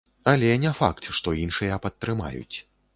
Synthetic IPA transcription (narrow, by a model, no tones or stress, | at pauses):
ɐlʲɛnʲɛfa̰kt̪ʂt̪ɔinʂɨjɐpɐt̪ːɾɨma̰jṵt͡sʲ